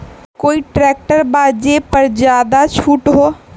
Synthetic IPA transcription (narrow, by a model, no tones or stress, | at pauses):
koːiʈɾɛːk̚ʈəɾbaːd͡ʒepɐɾd͡ʒjaːd̪at͡ʃʰuːʈɦoː